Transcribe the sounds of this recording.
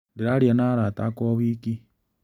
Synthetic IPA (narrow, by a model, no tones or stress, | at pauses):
ndiɾaɾijanaːɾatakoβiːki